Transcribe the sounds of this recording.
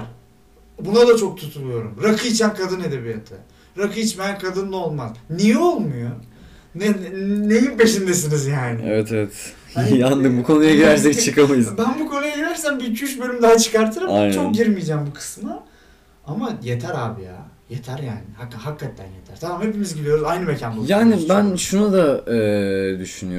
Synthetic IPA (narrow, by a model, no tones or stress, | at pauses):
ɾ | bunad̪at͡ʃʰo̞k̚t̪ʰut̪ʰulˠujo̞ɾumɾakʰɯit͡ʃʰankʰad̪ɯne̞d̪e̞bijat̪ʰɯ | ɾakɯit͡ʃbænkʰad̪ɯnːˠo̞lˠmaznijɛo̞lˠmujo | nɛnejimpe̞ʃind̪es̬inizjaːnɪḛvɛt̪ʰevɛt̪ | and̪ɯmbukʰo̞nujaɟiɾæɾsɛct͡ʃʰɯkamajɯzbænbuko̞nujaɟiɾæɾsæmbicʰyʃbølʲymd̪aɦat͡ʃʰɯ̥kaɾt̪ʰɯɾɯma̰jnt͡ʃonk̪̚ɟiɾmijd͡ʒæːmbukʰɯ̥sma | amajet̪ʰæɾaːbija̰ːjet̪ʰæɾjaːnɪhakːahakʰːat̪ʰːæ̰njet̪ʰæ̰ɾ̥t̪ʰamamhe̞pimizɟidlʲijoajnɯmecʰænbujaːnibænʃunud̪aɛːd̪yʃynyjo